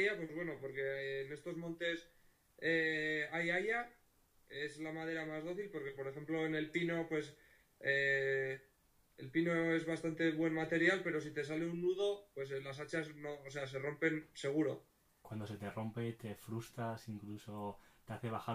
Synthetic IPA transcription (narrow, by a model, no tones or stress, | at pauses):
japwe̞zβwe̞no̞po̞ɾke̞ːne̞st̪o̞zmont̪e̞s | eajaja | e̞zlamað̞e̞ɾamazð̞o̞θilpo̞ɾke̞po̞ɾe̞xe̞mplo̞ene̞lpino̞pwe̞s | e | elpino̞e̞zβast̪ant̪e̞βwe̞nmat̪e̞ɾjalpe̞ɾo̞sit̪e̞sale̞unːuð̞o̞pwe̞slas̬at͡ʃazno̞ːse̞as̬e̞ro̞mpe̞nse̞ɣ̞uɾo̞ | kwand̪o̞se̞t̪e̞ro̞mpe̞t̪e̞fɾust̪ɾasiŋkluso̞t̪eaθe̞βaxa